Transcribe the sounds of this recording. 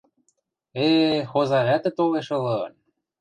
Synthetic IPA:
exozɑɾʲæt̪ĕt̪oleʃɤ̆lɤn

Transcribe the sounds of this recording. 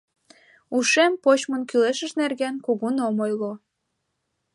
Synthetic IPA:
uʃempot͡ɕmənkyleʃəʃnerɣenkuɣunomojlo

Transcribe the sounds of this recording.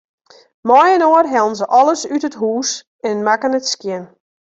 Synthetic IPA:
mɔjənoːərɦɛlˠnzəʔɔlˠəsytətɦuːs | ɛnmakənətskjɪn

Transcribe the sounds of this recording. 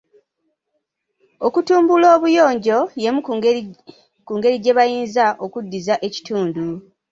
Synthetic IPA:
o̞kutuːmbulo̞ːβujo̞ːɲɟo̞je̞mu | kuːŋɡe̞ɾiɟe̞βajiːnzaʔo̞kudːizaʔe̞ci̥tuːndu

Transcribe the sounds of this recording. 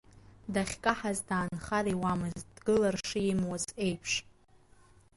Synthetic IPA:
daχʲkʼaħazdaːnχariwamɨzd̥ɡɨlarʂɨɪmwazʼe̞jpʰʂ

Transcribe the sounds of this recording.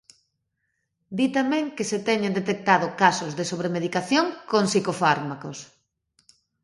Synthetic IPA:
d̪it̪amɛ̃ŋkeset̪ɛɲẽnd̪et̪ek̚t̪að̞ʊkasozðesoβɾemeð̞ikaθjoŋkoŋsikofaɾmakos

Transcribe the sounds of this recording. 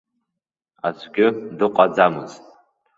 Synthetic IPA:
azʷɡʲɪdɨqʷʼad͡zamɨztʼ

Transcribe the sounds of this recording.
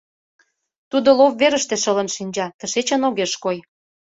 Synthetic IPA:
t̪ud̪olovːeɾəʃt̪eʃə̆lə̆nʃinʲd͡ʑɑt̪əʃet͡ɕənoɣeʃkoj

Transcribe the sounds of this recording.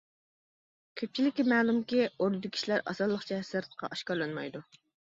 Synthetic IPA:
kʲʰøp̚t͡ʃʰilɪkʲːimɛːlˠumkʲioɾnɨd̪ɪkʲʰi̥ʃlæɾɑ̰sɑlˠːəχt͡ʃʰɛsæɾt̪qʰɑ̰ʔɑʃkɑɾlˠɑnmɑjd̪u

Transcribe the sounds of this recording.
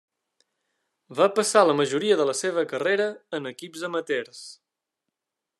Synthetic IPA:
bapəsaləməʒuɾiəðələseβ̞əkəreɾəːnəkibzəmət̪eɾs

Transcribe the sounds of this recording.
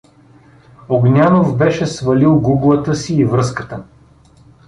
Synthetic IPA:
oɡnʲanovbɛʃɛsvɐlilˠɡuɡlˠət̪əsiːvɾɤskət̪ə

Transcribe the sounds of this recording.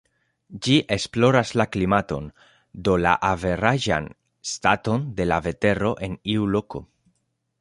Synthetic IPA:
d͡ʒiʔe̞splo̞ɾaslaklimato̞̰n | do̞la̰ʔave̞ɾaʒa̰n | stato̞nde̞lave̞te̞ɾo̞ʔe̞niulo̞ko̞̰

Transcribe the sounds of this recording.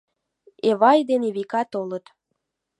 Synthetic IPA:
eβɑjd̪eneβikɑt̪olət̪

